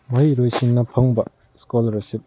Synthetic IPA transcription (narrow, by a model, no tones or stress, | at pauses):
mɐjɾojsinːɐpʰɐŋbɐ | skolɐɾsip̚